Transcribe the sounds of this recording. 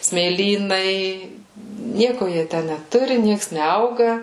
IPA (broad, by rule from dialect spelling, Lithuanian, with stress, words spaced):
sʲmʲeːˈlʲiːnɐɪ ˈnʲiɛkʊ ˈjiɛ ˈtʲæ nʲɛˈtʊrʲɪ ˈnʲiɛks nʲɛˈɐʊɡɐ